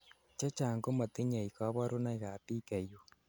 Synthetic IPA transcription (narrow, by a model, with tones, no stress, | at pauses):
t͡ʃa˦t͡ʃaː˨ŋɡo˦ma˨t̪e˦ɲa˨i˨ka˦βa˦ɾo˦na˦iɣa˨pi˦ka˨jo˨